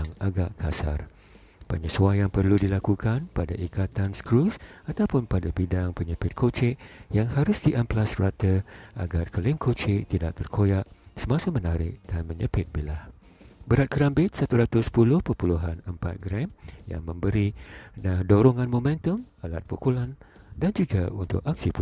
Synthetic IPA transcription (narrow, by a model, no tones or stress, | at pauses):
ŋaɡaʔkʰasa̰r | b̥a̰ɲasuajaŋpərludilakukanpadaʔikat̪anskɾusat̪awpʊnpadabidaŋpəɲəpɪt̪̚kʰot͡ʃɪʔjaŋhaɾʊsdiʔamplasrat̪əa̰ɡarkəlɪmkʰot͡ʃɪʔt̪idaʔ̚t̪ərkʰojaʔsəmãsamənaɾɪ̰ʔdanmə̃ɲəpɪt̪̚bilah | bəɾat̪̚kəɾambɪt̪̚sat̪uɾat̪ʊspulʊhpəpuluɦanəmpa̰t̪̚ɡɾɛmja̰ŋmə̃mbəɾinadoɾoŋanmomɛ̃nt̪əmala̰t̪̚pukulan | dand͡ʒuɡaunt̪ʊ̰kak̚sipu